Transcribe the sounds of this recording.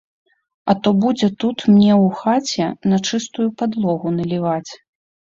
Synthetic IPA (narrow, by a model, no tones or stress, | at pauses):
ɐt̪ɔbud͡zʲɛt̪ut̪mnʲɛwxat͡sʲɛnɐt͡ʂɨst̪ujupad̪lˠɔɣunɐlʲivat͡sʲ